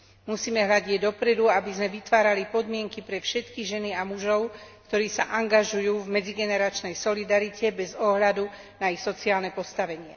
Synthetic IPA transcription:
musiːmɛɦʎaɟɛd̪ɔpɾɛd̪uabizmɛʋit̪ʋaːɾalipɔd̪mɪɛŋkipɾɛfʃɛt̪kiɣʒɛniamuʒɔʊkt̪ɔɾiːsaʔaŋɡaʒujuːvmɛd͡ziɡɛnɛɾat͡ʃnɛjsɔlid̪aɾicɛbɛzɔɦʎad̪u | naixsɔt͡siaːlnɛpɔst̪aʋɛɲɪɛ̰

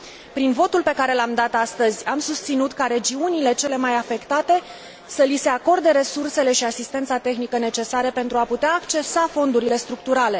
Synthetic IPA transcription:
pɾinvo̞t̪ulpe̞kaɾe̞lamd̪at̪ast̪əzʲamsust̪sinut̪kaɾe̞d͡ʒiunile̞t͡ʃe̞le̞majafe̞kt̪at̪e̞ | səlise̞ako̞rd̪e̞ɾe̞surse̞le̞ʃiasist̪e̞nt̪sat̪e̞xnikəne̞t͡ʃe̞saɾəpe̞nt̪ɾuaput̪eaːkt͡ʃe̞safo̞nd̪uɾile̞st̪ɾuk̚t̪uɾale̞

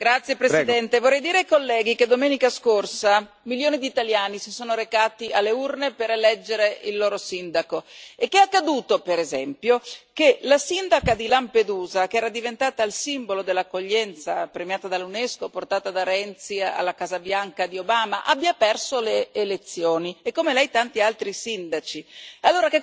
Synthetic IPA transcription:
ɡɾat̪sːjepɾesid̪ɛnt̪evorːɛjd̪iːɾeajkolːɛːɡiked̪omeːnikaskorsa | miljoːnid̪iːt̪aljaːnisisoːnoɾekaːt̪ialːeurnepeɾelɛd͡ʒːeɾeilːoːɾosind̪akoekːeakːad̪uːt̪opeɾezɛmpjokelasind̪akad̪ilamped̪uːzakeɛːɾad̪ivent̪aːt̪ailsimbolod̪elːakːoʎːɛnt̪sapɾemjaːt̪ad̪alːuneskoport̪aːt̪ad̪aɾɛnt̪sia̰lːakaːzabjaŋkad̪iobaːmaʔa̰bːjapɛrsoleːlet̪sːjoːniekːomelɛjt̪ant̪ialt̪ɾisind̪at͡ʃialːoːɾake

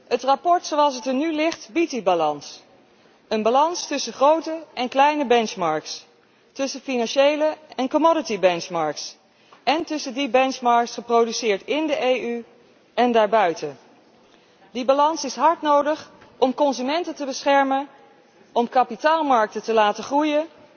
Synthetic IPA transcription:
ətrapɔɹtsowɑlˠs̬ətənylɪχtbit̚dibalɑns | ənbalɑnstʏsəχrowtəɛnklɛjnəbɛnt͡ʃmɑɹks | tɵsənfinɑnʃejləɛnkomɔdətibɛnt͡ʃmɑɹks | ɛntɵsəndibɛnt͡ʃmɑɹksχəprowdysɪːɹtɪndəʔejʔy | ɛndaːɹbœɥtə | dibalɑnsɪsɦɑɹtnowdəχʔɔmkɔnzymɛntətəbəsχɛɹmən | ɔmkɑpitaːlˠmɑɹk̚tətəlaːtəχrujən

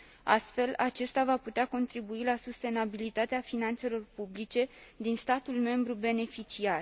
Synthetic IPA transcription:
a̰st̪fe̞lat͡ʃe̞st̪avaput̪eako̞nt̪ɾibuilasust̪e̞nabilit̪at̪eafinant̪se̞lo̞rpublit͡ʃe̞d̪inst̪at̪ulme̞mbɾube̞ne̞fit͡ʃiar

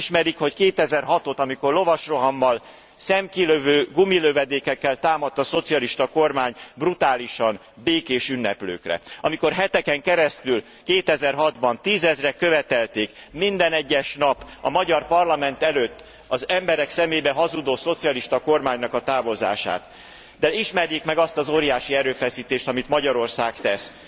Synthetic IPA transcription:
ʃmɛɾikho̞ckeːt̪ɛzɛrɦɒt̪o̞t̪ɒmiko̞rlo̞vɒʃro̞ɦɒmːɒl | sɛmkiløvøːɡumiløvɛd̪eːkːɛkːɛlt̪aːmɒt̪ːɒso̞t̪sijɒliʃt̪ɒko̞rmaːɲbrut̪aːliʃɒn | beːkeːʃynːɛplø̰ːkrɛ̰ɒ̰miko̞rɦɛt̪ɛkɛŋkɛɾɛst̪yl | keːt̪ɛzɛrɦɒd̪bɒnt̪iːzɛzrɛkøvɛt̪ɛlt̪eːkmind̪ɛnɛɟːɛʃnɒpɒmɒɟɒrpɒrlɒmɛnt̪ɛløːt̪ː | ɒzɛmbɛɾɛksɛmeːbɛɦɒzud̪oːso̞t̪sijɒliʃt̪ɒko̞rmaːɲnɒkɒt̪aːvo̞za̰ːʃa̰ːt̪ | d̪ɛiʃmɛɾjikmɛɡɒst̪ɒzoːɾijaːʃiɛɾøːfɛsiːt̪eːʃt̪ɒmit̪mɒɟɒɾo̞rsaːkt̪ɛs

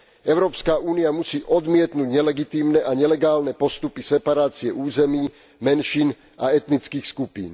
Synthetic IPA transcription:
ʔɛʊɾɔːpskaʔuːniamusiːʔɔd̪mɪɛt̪nuːɟɲɛlɛɡit̪iːmnɛʔaɲɛlɛɡaːlnɛpɔst̪upisɛpaɾaːt͡siɛʔuːzɛmiː | mɛnʃiːn | aɛt̪nit͡skiːxskupḭːn

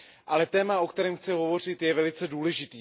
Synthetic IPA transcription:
ʔalɛt̪ɛːmao̞kt̪ɛɾɛːmxt͡sɛɦo̞vo̞r̝ɪt̪jɛvɛlɪt͡sɛduːlɛʒɪt̪iː

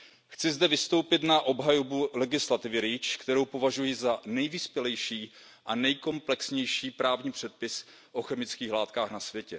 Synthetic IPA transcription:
xt͡sɪzdɛvɪst̪o̞wpɪt̪naʔo̞bɦajobulɛɡɪslat̪ɪvɪɾɪt͡ʃkt̪ɛɾo̞wpo̞vaʒujɪzanɛjvispjɛlɛjʃiː | ʔanɛjko̞mplɛksɲɛjʃiːpɾaːvɲiːpr̝̥ɛt̪̚pɪs | ʔo̞xɛmɪt͡skiːxlaːt̪kaːxnasvjɛcɛ

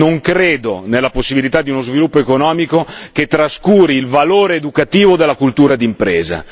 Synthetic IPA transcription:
noŋkɾeːd̪onelːaposːibilit̪ad̪ːiunozvilupːoekonɔːmikoket̪ːɾaskuːɾiːlvaloːɾeːd̪ukat̪iːvod̪elːakult̪uːɾad̪impɾeːza̰

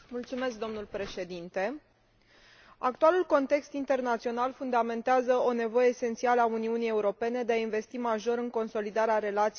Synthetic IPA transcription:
mult̪sume̞sk̚d̪o̞mnulpɾe̞ʃe̞d̪int̪e̞ | a̰kt̪ualulko̞nt̪e̞kst̪int̪e̞rnat̪sio̞nalfund̪ame̞nt̪eazəone̞vo̞je̞ːse̞nt̪sialauniunije̞uɾo̞pe̞ne̞d̪eainve̞st̪imaʒo̞ɾɨŋko̞nso̞lid̪aɾeaɾe̞lat̪s

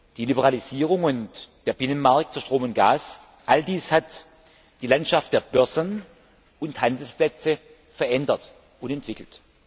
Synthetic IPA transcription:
d̥iːlibəʁaliziːʁ̞ʊŋʊntd̥eːɐbɪnənmaɐk̚tfuːɐʃtʁ̥oːmʊnt̚ɡ̥aːs | ʔaldiːshat | d̥iːlantʃaftd̥eːɐb̥œɐzən | ʊnthandl̩splɛt͡sə | fɛɐʔɛndɐt | ʊntɛntv̥ɪkl̩t

